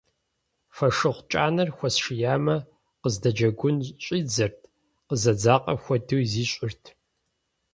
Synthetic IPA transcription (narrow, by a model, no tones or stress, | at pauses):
fɐʂɨχʷt͡ʃʼaːnɐrxʷɔsʂɨjaːmɐ | qəzdɐd͡ʒɐɡʷʊnɕʼiːd͡zɐrtʰ | qəzɐd͡zaːqʼɐ̰xʷɔdɨwziːɕʷʼɪrtʰ